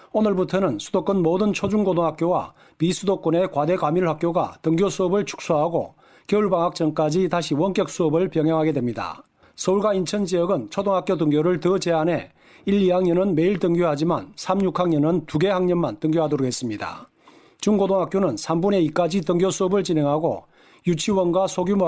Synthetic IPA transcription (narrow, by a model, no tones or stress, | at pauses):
onɯɭbutʰʌnɯnsʰud̥̪ok͈ɯnmodɯnt͡ɕʰod͡ʑunɡodoŋɦak͈jowa̰ | misʰudok͈ʌne̞kwade̞kwamiɭɦak͈joɡa̰tɯŋɡjosʰuʌbɯɭt͡ɕʰu̥k̚s͈ʰoɦaɡo̰ | kjeuɭbaŋɦak̚t͡ɕ͈ʌŋk͈ad͡ʑitaɕʰiwʌnk͈jʌk̚s͈ʰuʌbɯɭpjʌŋɦjʌŋɦaɡe̞dwe̞mɲida̰ | sʰʌuɭɡwaint͡ɕʰʌnd͡ʑijʌɡɯnt͡ɕʰodoŋɦak͈jodɯŋɡjoɾɯɭtʌd͡ʑe̞ane̞ | iʎːiɦaŋɲʌnɯnme̞iɭt͈ɯŋɡjoɦad͡ʑimansʰamɲukʰaŋɲʌnɯntuɡe̞haŋɲʌnmantɯŋɡjoɦadoɾoɡʰɦe̞s͈ɯmɲida̰ | t͡ɕunɡodoŋɦak͈jonɯnsʰambune̞ik͈ad͡ʑitɯŋɡjosʰuʌbɯɭt͡ɕine̞ŋɦaɡo̰ | jut͡ɕʰiwʌnɡwasʰoɡjum